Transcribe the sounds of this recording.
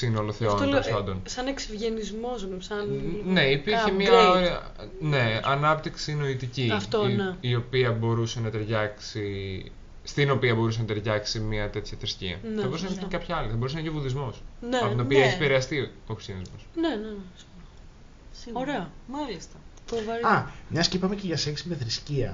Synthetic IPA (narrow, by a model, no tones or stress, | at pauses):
sinoloθeonolspɐnd̪o̞nsɐneksivʝenizmo̞zsɐnne̞ipiɾçemiɐɐ | ne̞ɐnɐpt̪iksino̞it̪iciɐft̪oneio̞piɐbo̞ɾuse̞nɐt̪e̞ɾʝɐksi | st̪ino̞piɐbo̞ɾuse̞nɐt̪e̞ɾʝɐksimiɐt̪e̞t̪çɐt̪ɾiscḭɐ̰nɐbo̞ɾus̬enɐp̪kɐpçɐɐliθɐbo̞ɾusenɐceovuðizmo̞snɐot̪opiɐeçipeɾeɐst̪iokɾisjɐnizmosnenes | soɾeɐmɐlist̪ɐtovɐɾɐmɲɐscipɐmeceʝɐsesimɐθɾisciɐ̰